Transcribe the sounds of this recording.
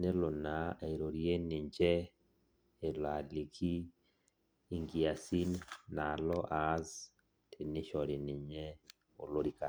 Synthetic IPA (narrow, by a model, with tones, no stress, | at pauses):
ne˦lʊ˨na˨a˨i˨ɾo˨ɾje˦nɪ˨ɲd͡ʒɛ˦ | e˨lwa˨li˨kʰi˦˨ | ŋɡi˨a˨si˦nːa˨lɔ˦ʔa˨˦z | tʰe˨nɪ˦ʃɔ˨ɾɪ˨nɪ˨ɲɛ˦ | o̰˨lo˦ɾi˨ka˨